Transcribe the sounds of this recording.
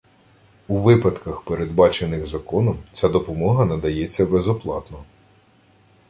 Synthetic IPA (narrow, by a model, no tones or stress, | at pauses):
uʋɪpɐt̪kɐxpeɾed̪bɑt͡ʃenɪɣzɐkɔnɔmt͡sʲad̪ɔpɔmɔɦɐnɐd̪ɐjɛt͡sʲːɐbezɔplˠɑt̪nɔ